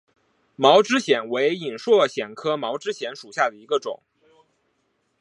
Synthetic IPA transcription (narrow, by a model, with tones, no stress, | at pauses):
mɑ˧˥ʊʈ͡ʂɻ̩˥ɕjɛ˨˩nwe˧˥ɪi˨˩nʂwɔ˥˩ɕjɛ˨˩nkʰɤ˥mɑ˧˥ʊʈ͡ʂɻ̩˥ɕjɛ˧˥nʂu˨˩ɕja˥˩d̪ə˩i˧˥ɡə˧ʈ͡ʂʊ̰˨˩˦ŋ